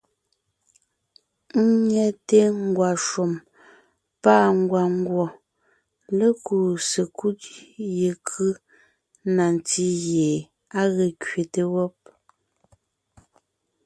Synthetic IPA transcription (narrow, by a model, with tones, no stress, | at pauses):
ŋ̩˦ɲɛ˦te˦ŋ̩˦˨ɡwa˨ʃo˨m | pa˦˨ŋ˦˨ɡwa˨ŋ̩˦ɡwɔ˨ | lə˦ku˨se˨kʰu˦tje˨kʰɯ˦ | na˨n˨ti˦ɣje˨ | a˦ɣe˨kɥe˨te˦wɔ˦p̚